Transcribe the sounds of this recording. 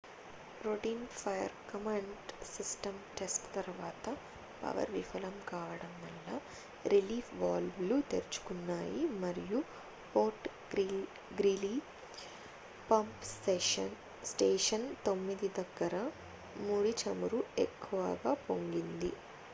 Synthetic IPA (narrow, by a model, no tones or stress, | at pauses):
ɾoʈiːnpʰɐjɐ̰ɾkɐmɐɳɖsisʈɐmʈesʈt̪ɐɾʋaːt̪ɐ | pɐ̰ʋɐ̰ɾʋifʰɐlɐmkaːʋɐɽɐmʋɐlːaː | ɾiliːpʰʋaːlblut̪eɾt͡ʃu̥kunːaːjimɐɾiju | poːɾʈ | i | ɡɾili | pɐmpseɐn | sʈeːʂɐnt̪o̞mːid̪id̪ɐɡːɐɾɐ | muːɽit͡ʃɐmuɾuekʰːuʋɐ̰ɡaːpo̞ŋɡind̪ḭ